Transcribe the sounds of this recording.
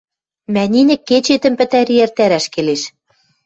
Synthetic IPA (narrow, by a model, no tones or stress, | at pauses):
mænʲinʲɘ̆kːet͡ɕet̪ɘ̆mpɘ̆t̪æɾiert̪æɾæʃkeleʃ